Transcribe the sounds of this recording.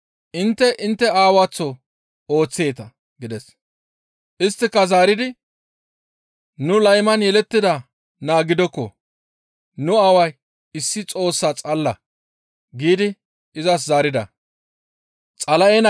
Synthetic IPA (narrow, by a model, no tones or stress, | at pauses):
ʔɪnt̪ːɛʔɪnt̪ːɛaːwat͡sːɔ | o̞ːt͡sːeːt̪ɐ | ɡɪd̪ɛs | ʔɪst̪ːɪkːɐzaːɾɪd̪ɪ | nʊlɐjmɐnjɛlɛt̪ːɪd̪ɐ | naːɡɪd̪ɔkːɔ | nʊɐwɐj | ɪsːɪt͡sʼo̞ːsːat͡sʼɐlːɐ | ɡiːd̪ɪ | ɪzɐs̬zaːɾɪd̪ɐ̰ | t͡sʼɐlɐʔɛn